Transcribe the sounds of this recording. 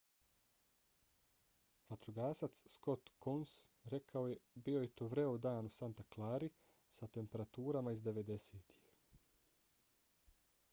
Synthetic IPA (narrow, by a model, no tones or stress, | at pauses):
ʋat̪ɾuɡaːsat̪ssko̞t̪konsɾe̞kʰaojebio̞jet̪oːʋɾe̞od̪aːnusant̪aklˠaːɾi | sat̪e̞mpe̞ɾat̪uːɾamaizd̪e̞ʋe̞d̪e̞seːt̪ʰi̥x